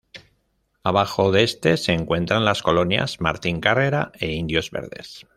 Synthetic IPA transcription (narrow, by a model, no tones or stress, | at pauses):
aβ̞axo̞ðest̪e̞se̞ːŋkwe̞nt̪ɾanlasko̞lo̞nja̰z̥ma̰ɾt̪iŋkare̞ɾae̞ind̪jo̞zβe̞̰ɾðe̞̰s